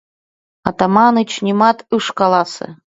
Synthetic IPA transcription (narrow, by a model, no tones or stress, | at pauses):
ɑt̪amɑnɨt͡ɕnʲimɑt̪ɯʂkɑlˠɑsɤ̰̆